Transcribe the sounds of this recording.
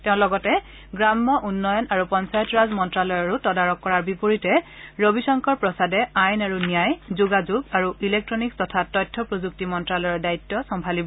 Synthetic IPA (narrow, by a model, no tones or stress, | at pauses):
tɛʊ̃lɔɡɔtɛ | ɡɹamːɔʔunːɔjɔnaɹupɔnsajɔtɹazmɔntɹalɔjɔɹutɔdaɹɔkːɔɹaɹbipoɹitɛ | ɹobisɔŋkʰɔɹpɹɔsadɛajnaɹunijajzuɡazuɡaɹuilek̚tɹɔnikstɔtʰatɔjtʰːɔpɹozuk̚timɔntɹalɔjɔdaitːɔsɔmpʰalibɔ